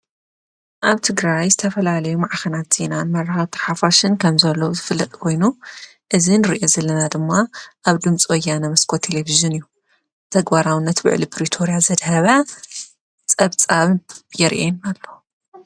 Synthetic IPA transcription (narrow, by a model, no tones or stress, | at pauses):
ʔaβt̪ʰɨɡɾajzɨt̪ʰɐfɐlalɐjumaʕaxɐnat̪z̥inamɐɾɐhat̪ʰɨɾħafaʃɨnkʰɐmzɐlːɐwzɨfɨlːɐkʼkʰo̞jnu | ʔɨzinɨɾiʔozɐlɐnad̪ɨmːaʔaβd̪ɨmt͡sʼojanɐmɐskʰot̪ʰːeleviʒɨnɨjːu | t̪ʰɐɡbaɾawɨnːɐt̪bɨ̰ʕ̰lipʰɾit̪ʰo̞ɾijazɐd̪hɐβa | t͡sʼɐβt͡sʼaβjɛɾʔenalːo